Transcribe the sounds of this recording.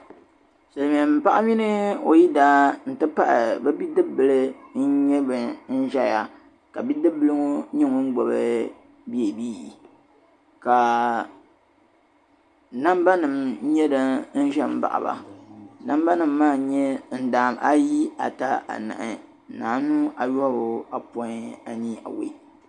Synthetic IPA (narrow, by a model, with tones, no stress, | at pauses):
sɨ˨lmi˨ɛ˨m˦pa˦ʔa˦mi˦nɨ˦o˨ji˦daː˦n̩˨tɨ˦pa˦ʔɪ̰˨bɛ˦bi˦dɨ˦bɨ˨lɨ˦n˦ɲɛ˦bɨ˨n̩˦ʒɛ˦ja˨ | ka˨bi˦dɨ˦bɨ˦lɨ˦ŋo˦ɲɛ˦ŋo˦n̩˦ɡ͡bo˨bɨ˦ | bi˦e˨biː˦˨ | ka˨ | na˦mba˦nɨ˨m˦ɲɛ˦dɨ˨n̩˦ʒɛ˦m̩˦ba̰˨ʔa̰˨ba̰˨na˦mba˦nɨ˨mːaː˦˨ɲɛ˦n̩˦˨daː˨mʔa˦ji˦a̰˨ta˦ʔa̰˨na̰˨ʔɨ˨ | naː˨˦nu˦ʔa˨jo˦bo˨a˨pɔ˨˦a˨ɲi˦a̰˨wḭ˦